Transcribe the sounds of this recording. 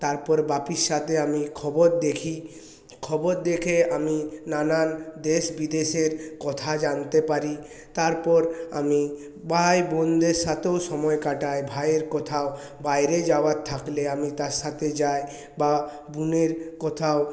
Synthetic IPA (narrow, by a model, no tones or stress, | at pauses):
t̪aɾpɔɾbapiɾʃat̪ʰeamikʰɔboɾd̪ekʰi | kʰɔboɾd̪ekʰeaminanand̪eʃbid̪eʃeɾkɔt̪ʰad͡ʑant̪epaɾi | t̪aɾpɔɾa̰mi | bajbɔnd̪eɾʃat̪ewʃɔmɔekaʈaebʱajeɾkɔt̪ʰao | bajɾed͡ʑaoat̪ʰːakleamit̪aɾʃat̪ʰed͡ʑae | ba | buneɾkɔt̪ʰao